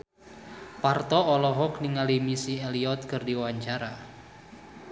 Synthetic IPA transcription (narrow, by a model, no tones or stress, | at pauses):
part̪ɔɔlɔɦɔkniŋalimisieliɔt̪̚kɨrdiwaɲt͡ʃaɾa